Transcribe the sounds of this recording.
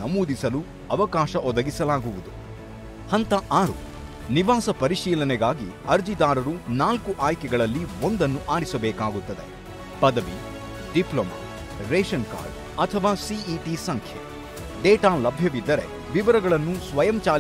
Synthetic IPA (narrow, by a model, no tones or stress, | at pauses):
ɐmuːd̪isɐlu | ɐʋɐkaːʃɐʔɔd̪ɐɡisɐlaːɡuʋud̪u | hɐnt̪ɐʔaːɾṵ | niʋaːsɐpɐɾiʃiːlɐnɛɡaːɡḭɐɾd͡ʒid̪aːɾɐɾunaːlkuʔaːjkɛɡɐɭɐlːiond̪ɐnːuʔaːɽisɐbɛːkaːɡut̪ːɐd̪e̞̰ | pɐd̪ɐʋḭ | ɖiploːma̰ | ɾeːʃɐnka̰ːɾɖ | ɐt̪ʰɐʋaːsiiːʈisɐŋkʰjḛ | ɖɛːʈaːlɐbʱjɐʋid̪ːɐɾe̞̰ | ʋiʋɐɾɐɡɐɭɐnːusʋɐjɐmt͡ʃaː